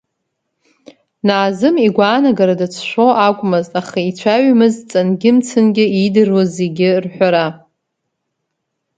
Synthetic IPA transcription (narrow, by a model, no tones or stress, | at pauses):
naːzɨmiɡʷaːnaɡaɾadat͡sʰʃʷoʔakʷʼmɨztaχait͡sʷʰaɥmɨzt͡sʼanɡʲɪmt͡sʰɨnɡʲɪidɨrwozeɡʲɪrħʷᶣaɾa